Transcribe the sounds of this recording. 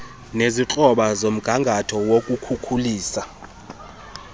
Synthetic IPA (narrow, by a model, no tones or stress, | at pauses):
neziǁʼɔɓazom̩ɡ̥ʱaŋɡʱatʰɔwokʼukʰukʰuliːsa